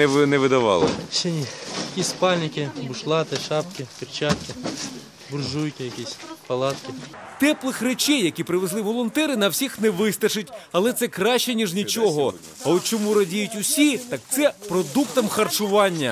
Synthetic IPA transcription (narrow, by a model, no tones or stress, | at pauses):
nɛʋɪd̪ɐʋɑ̰lˠɪ̰ʃɛnʲijɐkʲisʲspɑlʲnʲɪkʲɪbʊʃlˠɑt̪ɪʃɑpkʲɪpʲirt͡ʃɑt̪kʲɪ | bʊrʒujkʲɪjɐkʲisʲpɐlˠɑt̪kʲɪ | t̪ɛplˠɪxret͡ʃɛjːɐkʲipɾɪʋezlˠɪʋɔlˠɔnt̪ɛɾɪnɐwsʲixnɛʋɪst̪ɐʃɪtʲɐlˠɛt̪sɛkɾɑʃt͡ʃɛnʲiʒnʲit͡ʃɔɦɔ | ɐɔt̪t͡ʃɔmuɾɐdʲijʊtʲʊsʲit̪ɑk̚t̪sɛpɾɔd̪ukt̪ɐmxɐrt͡ʃʊʋɑnʲːɐ̰